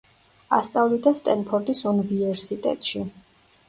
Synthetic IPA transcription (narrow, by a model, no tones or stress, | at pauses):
a̰st̪sʼavlid̪ast̪ʼɛnpʰɔɾt̪ʼisunivivɛɾsit̪ʼɛ̰t̪ʼʃi